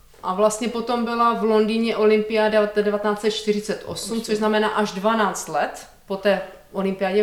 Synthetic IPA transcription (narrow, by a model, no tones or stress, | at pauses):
ʔavlast̪ɲɛpot̪o̞mbɪlavlo̞ndiɲɛʔo̞lɪmpɪadɛdɛvat̪ɛnaːt͡sɛt̪t͡ʃt̪ɪrɪt͡sɛt̪ʔo̰sumt͡soʒznamɛnaːʔaʒdvanaːt͡st̪lɛt̪ | po̞t̪ɛː | ʔolɪmpɪjaːɟɛ